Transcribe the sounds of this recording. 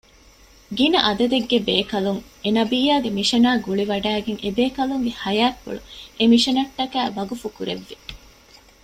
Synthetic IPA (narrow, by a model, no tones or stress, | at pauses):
ɡinɐʔɐd̪ɐd̪eɡːebeːkɐluŋenɐbiːjaːɡemiʃɐnaːɡuɭiʋɐɖæːɡeŋʔebeːkɐluŋɡehɐjaːkːṵɭuʔemiʃɐnɐʈːɐkæːʋɐɡufukuɾeʋːi